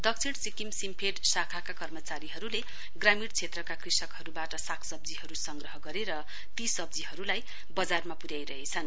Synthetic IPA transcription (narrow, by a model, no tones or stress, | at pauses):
d̪ʌk̚t͡sʰiɽsikimsimpʰeɖsakʰakakʌrmʌt͡saɾiɦʌɾule | ɡramiɽt͡sʰet̪rʌkakrisʌkɦʌɾubaʈʌsakʰsʌb̚d͡ziɦʌɾusʌŋɡrʌɦʌɡʌɾeɾʌ | t̪isʌb̚d͡ziɦʌɾulaj | bʌd͡zarmapuɾjajɾʌɦet͡sʰʌn